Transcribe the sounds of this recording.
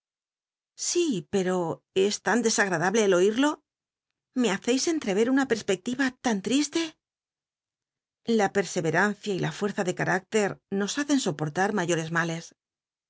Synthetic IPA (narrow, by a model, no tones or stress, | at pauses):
sipe̞ɾo̞ | e̞st̪and̪e̞saɣ̞ɾaðaβle̞ːlo̞iɾlo̞ | meaθe̞jse̞nt̪ɾe̞β̞e̞ɾunape̞ɾspe̞k̚t̪iβat̪ant̪ɾist̪e̞ | lape̞ɾse̞βe̞ɾanθjailʔafwe̞ɾθaðe̞kaɾʔak̚t̪e̞ɾno̞saθe̞nso̞po̞ɾt̪aɾmaʝo̞ɾe̞zmale̞s